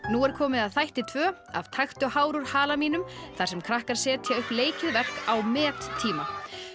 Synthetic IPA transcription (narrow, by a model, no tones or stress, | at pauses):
nuɛɾ̥kʰɔːmɪðaðθajht̪ɪt̪ʰvœː | a̰vt̪ʰajxt̪ʏhaːwɾuɾ̥haːlamiːnʏmθaɾ̥sɛmkʰɾahkaɾ̥sɛːt̪jaʏhpleːjcɪðvɛr̥kawmɛːt̪ʰːiːma